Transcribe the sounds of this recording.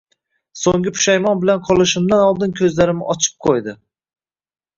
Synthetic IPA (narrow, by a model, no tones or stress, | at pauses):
soŋɡɪpʰʊ̥ʃajmɒnbɪlanqʰɒlˠɪʃɪmd̪anɒlˠd̪ɪnkʲʰɵzlaɾɪmɪʔɒt͡ʃʰɪ̥p̚qʰojd̪ɪ